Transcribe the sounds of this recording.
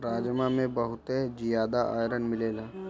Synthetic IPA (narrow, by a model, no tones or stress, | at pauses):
ɾaːd͡ʒmamẽbəɦʊt̪ed͡ʒijaːd̪aʔa̰ːjɾənmɪleːlaː